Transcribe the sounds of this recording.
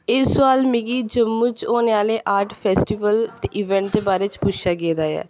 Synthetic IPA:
ɪsʊaːlmɪɡiːd͡ʒəmːuːt͡ʃoːneːaːleːʔaːɾʈpʰɛːsʈiːʋəlt̪eːʔɪʋɛ̃ːɳʈ̚d̪eːbaːɾeːt͡ʃpʊʃaːɡeːd̪aːjɛ̰ː

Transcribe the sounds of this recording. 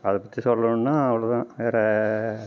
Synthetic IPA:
ɐðɨpɐt̪ːisɔlːɐnoɳːaːɐʋɐɭɐt̪ãːʋeːɾe

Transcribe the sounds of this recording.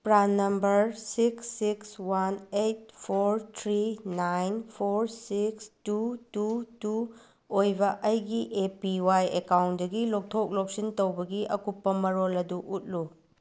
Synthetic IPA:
pɾanːɐmbɐɾsiksːikswanejt̚pʰoɾt̪ʰɾinajnpʰoɾsikstututu | ojbɐʔɐjɡiʔepiwajekawntdɐɡilok̚tʰok̚lok̚sintowbɐɡiʔɐkupːɐmɐɾolɐduʔut̚lu

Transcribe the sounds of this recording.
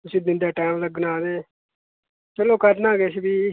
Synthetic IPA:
ʊsiːd̪ɪnd̪aːʈaːmləɡnaːd̪eː | t͡ʃəloːkəɾnaːɡeːsbiː

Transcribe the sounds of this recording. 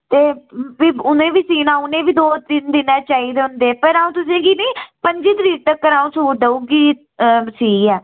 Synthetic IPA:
t̪eːbiːʊnẽːʋiːsiːnãːʊnẽːbiːd̪oːt̪ɪnd̪ɪnaːt͡ʃaːiːd̪eːɦʊ̃nd̪eːpəɾaːũːt̪ʊsẽːɡiːneiːpəɲd͡ʒiːt̪ɾiːk̚t̪əkːəɾaːũːsuːɾd̪əuːɡiː | siːɛː

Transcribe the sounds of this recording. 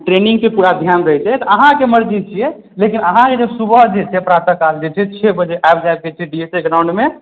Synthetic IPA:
ʈɾeniŋɡkepuɾad̪ʱjanɾəɦɛt͡ʃʰɛt̪ɔəɦãkeməɾd͡ʒit͡ʃʰijɛ | lekinəɦãked͡ʒesubəɦd͡ʒet͡ʃʰɛpɾat̪əkald͡ʒet͡ʃʰɛt͡ʃʰɛbəd͡ʒeʔaebd͡ʒajb̚ɡet͡ʃʰɛɖieseɡɾãw̃ɳɖme

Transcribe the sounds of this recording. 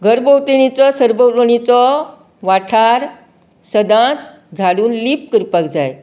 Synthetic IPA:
ɡʱəɾbəwt̪iɳ̃it͡sɔsəɾbəloɽ̃it͡sɔ | ʋaʈʰaɾ | səd̪ãt͡s | d͡zʱaɽuːnlip̚kɾpəkd͡zaj

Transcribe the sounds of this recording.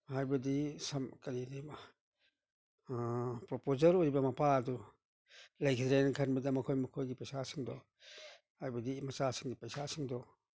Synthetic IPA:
hajbɐdisɐmkɐɾinima | pɾopozɐɾoɾibɐmɐpʰaɐdu | lɐjkʰitɾenkʰɐnbɐdɐmɐkʰojmukʰojɡipɐjsasiŋdɔ | hajbɐdimɐsasiŋdipɐjsasiŋdɔ

